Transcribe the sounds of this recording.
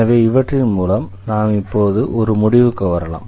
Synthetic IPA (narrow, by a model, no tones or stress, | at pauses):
ɐʋeːɪʋɐʈrɪnmuːlɐmnaːmɪpːoːðɯʔɔɾɯmʊɽɪʋɯkːɯʋɐɾɐla̰ːm